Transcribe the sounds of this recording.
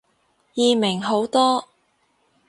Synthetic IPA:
jiː˨˧mɪ˨˩ŋɦo˨˥wt̪ɔː˥

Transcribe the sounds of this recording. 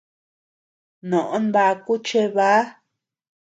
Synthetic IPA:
nõ˨ʔõ˦nba˧ku˦t͡ʃe˦βa˦

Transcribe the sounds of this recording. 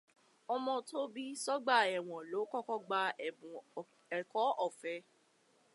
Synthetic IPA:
ɔ˧mɔ̃˧to˦bi˦sɔ˦ɡ͡ba˦˨ɛ˨w̃ɔ̃˨lo˨˦kɔ˦kɔ˦ɡ͡ba˧ɛ˨ũ˨ | ɛ˨kɔ˨˦ʔɔ˦˨fɛ˨˧˦

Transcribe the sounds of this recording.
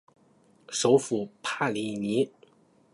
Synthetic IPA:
ʂo˧˥ʊfu˨˩pʰa˥˩li˨˩ni˧˥

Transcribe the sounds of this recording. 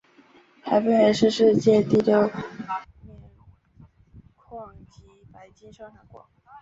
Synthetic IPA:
xʰa˧˥ɪpu˥˧˩xʰa˧ɪʂɻ̩˥˧ʂɻ̩˥˧t͡ɕjɛ˥˧t̪i˥˩ljo˥˩ʊ | mɛ˥˧˩ | kʰɑ˥˩ŋt͡ɕi˧˥pa˧˥ɪt͡ɕi˥nʂɤ˥ŋxa˧˩ɪkwɑ̰˧˩˦

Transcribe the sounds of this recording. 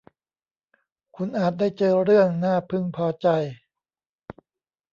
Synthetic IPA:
kʰu˧nʔaː˨˩t̪̚da˥˩jt͡ɕɤː˧ɾɯ˥˩əŋnaː˥˩pʰɯ˥˩ŋpʰɔː˧t͡ɕa˧j

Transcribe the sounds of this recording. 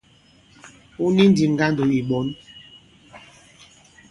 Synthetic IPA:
u˦ni˦n˦di˨ŋ̩˦ɡa˦n˦do˨i˨ɓɔ˨˦n

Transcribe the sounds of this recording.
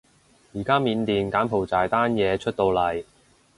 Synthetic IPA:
jiː˨˩kaː˥miː˨˧nt̪iː˨nkaː˨˥npʰo˨˩wt͡saː˨jt̪aː˥njɛː˨˧t͡ʃʰɵ˥t̚t̪o˧wlɐ˨˩j

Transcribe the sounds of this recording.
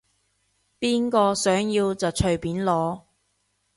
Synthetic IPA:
piː˥nkɔː˧sœː˨˥ŋjiː˧wt͡sɐ˨wt͡ʃʰɵ˨˩ɥpiː˨˥nlɔː˨˥

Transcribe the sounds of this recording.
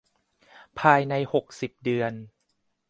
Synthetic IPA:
pʰaː˧jna˧jho˨˩k̚si˨˩p̚dɯ˨˧ən

